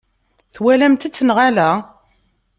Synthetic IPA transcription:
θwælæmt̪æt͡sːənʁalæ

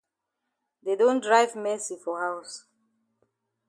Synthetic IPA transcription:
dedõndɹajvmɛsifɔhaws

